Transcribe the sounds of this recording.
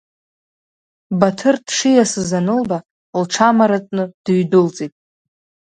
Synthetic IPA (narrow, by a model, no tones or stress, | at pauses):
batʰɨrdʂijasɨzanɨlba | lʈ͡ʂʰamaɾat͡sʼnɨd̥ɥdɨlt͡sʼijtʼ